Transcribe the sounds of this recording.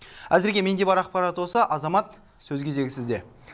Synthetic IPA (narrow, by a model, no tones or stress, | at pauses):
æzɪɾɡʲe̞me̞nd̪e̞bɑɾɑq̚pɑɾɑt̪wo̞sɑʔɑzɑmɑt̪ | sɵzkʲʰeze̞ɡʲɪsɪzd̪e̞